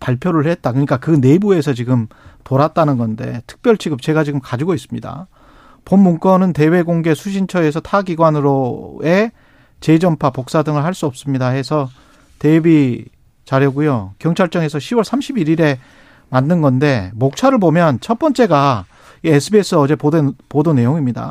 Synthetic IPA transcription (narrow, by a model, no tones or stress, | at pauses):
paɭpʰjoɾɯɭhe̞t̚t͈akɯɲik͈akɯne̞bue̞sʰʌt͡ɕiɡɯmtoɾat̚t͈anɯnɡʌnde̞̰tʰɯ̥k̚p͈jʌɭt͡ɕʰiɡɯp̚t͡ɕe̞ɡad͡ʑiɡɯmkad͡ʑiɡois͈ɯmɲida̰ | pomːuŋk͈ʌnɯnte̞we̞ɡoŋɡe̞sʰuɕʰint͡ɕʰʌesʰʌtʰaɡiɡwanɯɾoe̞ | t͡ɕe̞d͡ʑʌmpʰapok̚s͈adɯŋɯɭɦaɭs͈uʌp̚s͈ɯmɲidahe̞sʰʌ | te̞bi | t͡ɕaɾjʌɡujokjʌŋt͡ɕʰaɭt͡ɕ͈ʌŋe̞sʰʌɕʰiwʌɭsʰamɕʰibiɾiɾe̞ | manːɯnɡʌnde̞mok̚t͡ɕʰaɾɯɭbomjʌnt͡ɕʰʌt̚p͈ʌnt͡ɕ͈e̞ɡa | iesʰɯbies͈ʰɯʌd͡ʑe̞opodone̞joŋimɲida̰